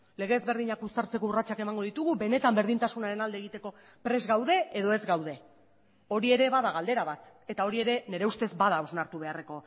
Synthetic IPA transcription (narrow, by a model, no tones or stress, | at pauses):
le̞ɣ̞eːzβe̞ɾðiɲakust̪aɾt͡se̞kourat͡ʃake̞maŋɡo̞ðit̪uɣube̞ne̞t̪ambe̞ɾð̞int̪asunaɾe̞nald̪eːɣit̪e̞ko̞ | pɾe̞zɡawðe̞eðo̞e̞zɡawðe̞ | o̞ɾie̞ɾe̞βaðaɣ̞ald̪e̞ɾaβat̪ | e̞t̪ao̞ɾie̞ɾe̞ne̞ɾe̞ust̪e̞zbaðao̞znaɾt̪uβ̞e̞are̞ko̞